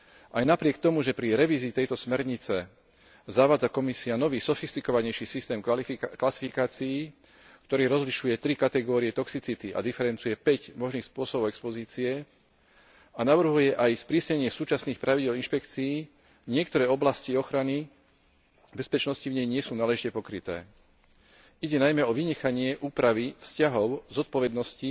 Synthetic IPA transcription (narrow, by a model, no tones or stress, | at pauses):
ʔajnapɾɪɛk̚t̪ɔmuʒɛpɾiɾɛʋiːziːt̪ɛjt̪ɔsmɛɾɲit͡sɛ | zaʋaːd͡zakɔmisianɔʋiːsɔfist̪ikɔʋaɲɛjʃisist̪ɛːmklasi̥fikaːt͡sijː | kt̪ɔɾɛːɾɔzliʃujɛt̪ɾikat̪ɛɡɔːɾiɛt̪ɔksit͡sit̪iʔa̰d̪ifɛɾɛnt͡sujɛpɛɟmɔʒniːxspʊɔsɔbɔʊɛkspɔziːt͡siɛ | anaʋr̩ɦujɛʔajspɾisɲɛɲɪɛsuːt͡ʃasniːxpɾʔaʋiɟɪɛlinʃpɛkt͡sii | ɲɪɛkt̪ɔɾɛːɔblasciɔxɾani | bɛspɛt͡ʃnɔscivɲɛjɲɪɛsuːnaːlɛʒicɛpɔkɾit̪ɛ̰ː | iɟɛnajmɛɔʋiɲɛxaɲɪɛʔuːpɾaʋifscaɦɔʊzɔt̪̚pɔʋɛd̪nɔsci